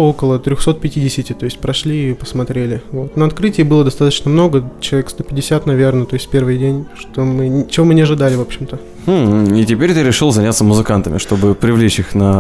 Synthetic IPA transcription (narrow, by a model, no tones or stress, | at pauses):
okəlˠət̪ɾʲoxso̞t̪̚pʲɪtʲidʲɪsʲɪtʲɪt̪o̞jɪsʲtʲpɾɐʂlʲiipəsmɐt̪ɾʲelʲɪvo̞t̪nəɐt̪kɾɨtʲɪːbɨlˠəd̪ɐst̪at̪ət͡ɕnəmno̞ɡət͡ɕɪlˠɐvʲekst̪o̞pʲɪdʲɪsʲat̪nɐvʲe̞rnət̪o̞ɪsʲtfʲpʲervɨjdʲenʲʂt̪omɨt͡ɕɪvo̞mɨnʲɪɐʐɨd̪alʲɪvo̞pɕːɪmt̪ə | itʲɪpʲeɾʲt̪ɨɾʲɪʂɨlˠzɐnʲat̪səmʊzɨkant̪əmʲɪ̰ʂt̪o̞bɨpɾʲɪvlʲet͡ɕixnə